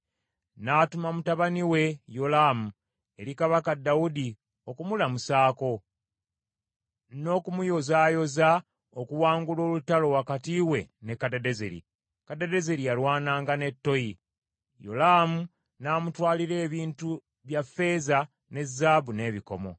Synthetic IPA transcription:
naːtumamutaβaniwe̞jo̞laːmu | e̞ɾikaβakadːawudi | o̞kumulamusaːko̞ | no̞ːkumujo̞zaːjo̞za | okuwaːŋɡulo̞ːlutːalo̞wakatiwe̞ne̞kːadedezḛɾḭ | kadede̞ze̞ɾijalwaːnaːŋɡane̞tːo̞ji | jo̞̰laːmu | naːmutwaːliɾe̞ːβiːntu | βjafːe̞za | ne̞zːaːbune̞ːβiko̞̰mo̞̰

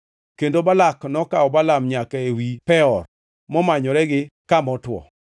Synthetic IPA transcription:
kendobalaknɔkaɔbalamɲakaewipɛɔr | mɔmaɲɔɾɛɡɪkamɔtwɔ̰

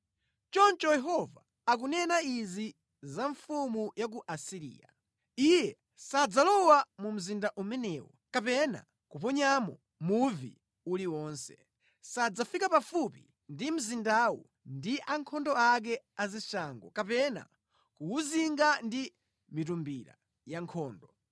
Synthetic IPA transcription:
t͡ʃɔnt͡ʃɔjɛɦɔva̰ː | k̬unɛnaizi | zaɱfumujak̬uʔasiɾḭːja̰ | ijɛ | sad͡zalɔwamum̩zindaʔumɛnɛːwɔ̰ | kapɛna̰ | kup̬ɔɲamɔ | muvḭ | uliwɔːnsɛ̥ | sad͡zafikapafupi | ndim̩zindawɔ̰ | ndiʔaŋkʰɔndɔak̬ɛaziʃaːŋɡɔ̰kapɛna̰ | kuuziŋɡandi | mitumbiɾa̰ | jaŋkʰɔːndɔ

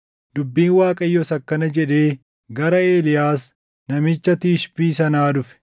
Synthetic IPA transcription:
d̪̥ʊbːiːnwaːkʼɐjːɔsɐkːɐnɐd͡ʒɛᶑe̞ː | ɡɐɾɐe̞ːlɪjaːs | nɐmɪt͡ʃːɐt̪iːʃpiːsɐnaːd̪ʊfɛ̥

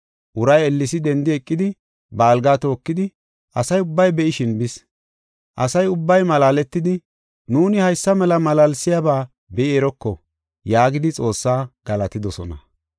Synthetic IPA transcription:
ʔʊɾɐjɛlːɪsɪd̪ɛnd̪ɪɛkʼːɪd̪ɪ | bɐːlɡaːt̪o̞ːkːɪd̪ɪ | ʔɐsɐjʊbːɐjbɛʔɪʃɪnbɪs | ʔɐsɐjʊbːɐjmɐlaːlɛt̪ːɪd̪ɪ | nuːnɪhɐjsːɐmɛlɐmɐlaːlsɪjabaː | bɛʔɪɛɾɔkːɔ̰ | jaːɡɪd̪ɪt͡sʼo̞ːsːaːɡ̥ɐlɐt̪ɪd̪ɔsɔ̰nɐ̰

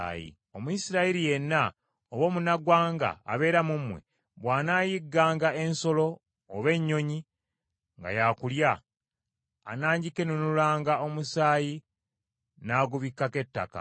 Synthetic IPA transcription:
jḭ | o̞muisiɾaiɾije̞nːa | oβwo̞ːmunaɡwaːŋɡa̰ːβe̞ːɾamumwe̞̰ | βwaːnaːjiɡːaːŋɡaʔe̞nso̞lo̞ː | βe̞ɲːo̞ɲi | ŋɡa̰jakulja | naːɲɟike̞nunulaːŋɡao̞musaːji | naːɡuβikːake̞tːa̰ka̰

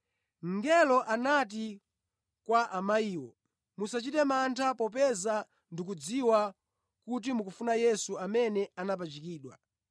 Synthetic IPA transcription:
ŋɡɛlɔʔanat̬i | kwaʔamaiːwɔ̰ | musat͡ʃitɛmantʰapɔp̬ɛza | ndik̬ud͡ziwa | kut̬imukufunajɛsuamɛnɛanap̬at͡ʃikiːɗwa̰

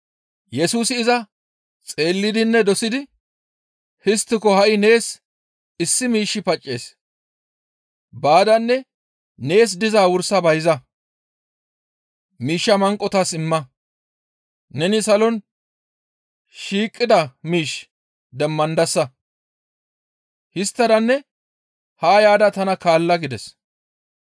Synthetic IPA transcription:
jɛsuːsɪɪzɐ | t͡sʼe̞ːlːɪd̪ɪnːɛd̪ɔsɪd̪ɪ | hɪst̪ːɪkɔhɐʔɪne̞ːs | ɪsːɪmiːʃːɪpɐt͡ʃʼːe̞ːs | baːd̪ɐnːɛ | ne̞ːs̬d̪ɪzaːwʊɾsːɐbɐjzɐ | miːʃːɐmɐŋkʼːɔt̪asɪmːɐ | nɛnɪsɐlɔn | ʃiːkʼːɪd̪ɐmiːʃ | d̪ɛmːɐnd̪ɐsːɐ | hɪst̪ːɐd̪ɐnːɛ | haːjaːd̪ɐt̪ɐnɐkaːlːɐɡɪd̪ɛs

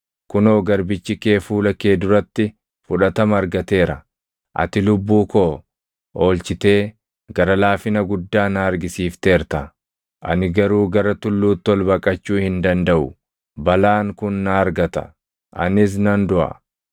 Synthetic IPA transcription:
kʊnoːɡɐɾbɪt͡ʃːɪkeːfuːlɐke̞ːd̪ʊɾɐt̪ːɪ | fʊᶑɐt̪ɐmɐɐɾɡɐt̪e̞ːɾɐ | ʔɐ̰t̪ɪlʊbːuːkoː | ʔoːlt͡ʃɪt̪e̞ː | ɡɐɾɐlaːfɪnɐɡʊd̪ːaːnaːɾɡɪsiːft̪e̞ːɾt̪ɐ | ʔɐ̰nɪɡɐɾuːɡɐɾɐt̪ʊlːuːt̪ːɔlbɐkʼɐt͡ʃːuːhɪnd̪ɐnd̪ɐʔʊ | bɐlaːŋkʊnːaɐɾɡɐt̪ɐ̰ | ʔɐ̰nɪs̬nɐnd̪ʊʔɐ̰

